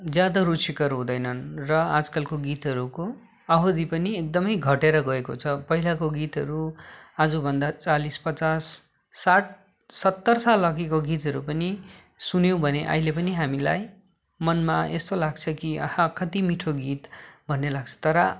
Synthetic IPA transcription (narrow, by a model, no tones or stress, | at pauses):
d͡zjad̪ʌrut͡sʰikʌɾɦũd̪ʌjnʌnrʌad͡zkalkoɡit̪ɦʌɾuko | ʌɦod̪ipʌniek̚d̪ʌmʌjɡʱʌʈeɾʌɡʌekot͡sʰʌpʌɦilakoɡit̪ɦʌɾuad͡zubʱʌnd̪at͡salispʌt͡sasː | aʈ̚ʰ | sʌt̪ːʌrsalʌkikoɡit̪ɦʌɾupʌni | sunjew̃bʱʌneʔʌ̰ɦilepʌniɦamila̰j | mʌnmaḛst̪olaɡt͡sʰʌkiʌ̰hãkʌt̪imiʈʰoɡit̪bʱʌnːelaɡ̚t͡sʰʌ̥t̪ʌɾʌ